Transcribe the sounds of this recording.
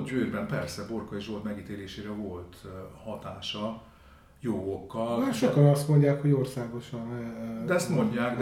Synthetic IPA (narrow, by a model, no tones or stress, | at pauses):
ɟvøːrbɛmpɛrsɛbo̞rkɒiʒot̪mɛɡiːt̪eːleːʃeːɾɛvo̞lt̪hɒt̪aːʃɒ | joːɡokːɒlːʃokɒnɒst̪mo̞ɲɟaːkho̞ɟo̞rsaːɡoʃɒnɛɛst̪mo̞ɲɟaːkd̪